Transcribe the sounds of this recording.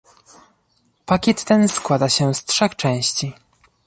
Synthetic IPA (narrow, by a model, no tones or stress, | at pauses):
pakʲɛt̪ːɛnskwad̪aɕɛstʂɛxt͡ʂɛ̃w̃ɕt͡ɕi